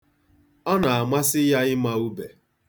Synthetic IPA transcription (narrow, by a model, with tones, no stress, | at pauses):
ɔ˦na˨a˨ma˦sɪ˦ja˦ɪ˦ma˦u˦be˨